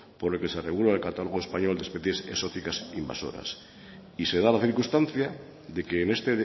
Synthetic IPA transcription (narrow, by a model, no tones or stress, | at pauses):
po̞ɾelkeseareɣuloelkat̪alo̞ɣ̞oe̞spaɲo̞ld̪e̞spe̞θje̞seso̞t̪ikasimba̰so̰ɾa̰s | ise̞ð̞alaθiɾkust̪anθja | ðe̞keːne̞st̪e